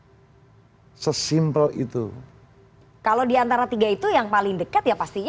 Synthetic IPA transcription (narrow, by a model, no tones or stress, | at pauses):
səsimpəlḭt̪ṵ | kalodiant̪aɾat̪iɡait̪ujaŋpalɪŋdəkat̪̚japast̪i